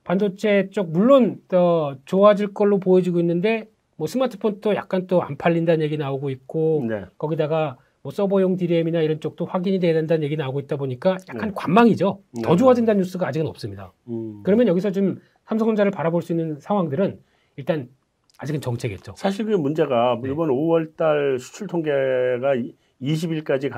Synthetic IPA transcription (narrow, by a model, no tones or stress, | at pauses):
pandot͡ɕʰe̞t͡ɕ͈ok̚muɭːont͈ʌt͡ɕoaɦad͡ʑiɭk͈ʌɭːopojed͡ʑiɡoinːɯnde̞ | mwʌsʰɯmatʰɯ̥pʰonʰtoja̰k̚k͈ant͈oa̰npʰaɭːindanɯnje̞ɡinnaoɡoit̚k͈onkʌɡidaɡa | mwʌs͈ʌbʌjoŋtiɾeminaiɾʌnt͡ɕ͈ok̚t͈oɸwaɡiɲideadendanɯnɲje̞ɡinnaoɡoit̚t͈aboɲik͈aja̰kk͈ankwammːaŋid͡ʑotʌd͡ʑuadendanɲjus͈ɯɡaːd͡ʑiɡɯnʌp̚s͈ɯmɲidakɯɾʌmjʌnjʌɡisʰʌt͡ɕom | sʰamsʰʌŋʌnd͡ʑaɾɯɭpaɾaboɭs͈uinːɯnsʰaŋwaŋdɯɾɯn | iɭt͈an | ad͡ʑiɡɯnt͡ɕʌŋt͡ɕʰe̞ɡe̞t̚t͡ɕ͈osʰaɕ̬ʰiɾkɯmund͡ʑe̞ɡamibʌnowʌɭt͈aɭsʰu̥t͡ɕʰuɭtʰoŋɡeɡa | iɕ̬ʰibiɭk͈ad͡ʑik